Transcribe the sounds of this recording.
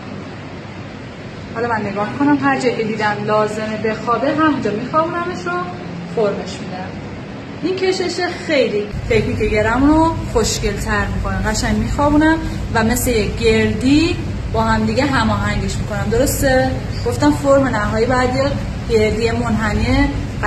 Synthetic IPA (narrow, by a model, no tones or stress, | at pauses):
hɒlɒmænːe̞ɡɒːhmikʰo̞næmɦæɾd͡ʒɒjkʰʲe̞d̪iːd̪ænlɒːze̞mebe̞xɒːbeɦæmd͡ʒɒmiːxɒːbuːnæmeʃɾo | foɾme̞ʃmid̪eæm | ʔincʰe̞ʃeʃexejlife̞cʰmiceɡeɾæmnoxoʃce̞lt̪ʰæɾmiːkʰo̞næmɢæʃæɲmiːxɒːbuːnæm | væme̞slejek̚ɡe̞ɾd̪iː | bɒːhæmd̪iɡeɦæmɒːɦæŋɟe̞ʃmiko̞næmd̪o̞ɾo̞st̪e | ɡ̥o̞ft̪æmfoɾmenæɦɒːjiːbɒjæd̪je | ɟ̥e̞ɾd̪ijemonɦæmie